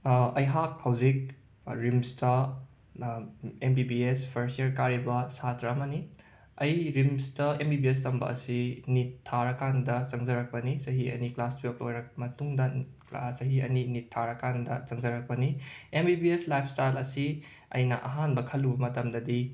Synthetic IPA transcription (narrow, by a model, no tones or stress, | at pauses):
ɐjɦak̚hawzik̚ | ɾimstɐ | embibiespʰɐɾsjeɾkaɾibɐsatɾɐɐmɐni | ɐjɾimstɐembibies̬tɐmbɐ̰ʔɐ̰sinitʰːaɾɐkandɐt͡ʃɐŋzɐɾɐk̚pɐnisɐɦiɐ̰niklastok̚ojɾɐk̚mɐtuŋdɐ | sɐɦiɐninitʰːaɾɐkandɐt͡ʃɐŋzɐɾɐk̚pɐniembibieslajpʰstajlɐsi | ɐ̰jnɐ̰ʔɐɦanbɐkʰɐlːubɐmɐtɐmdɐdi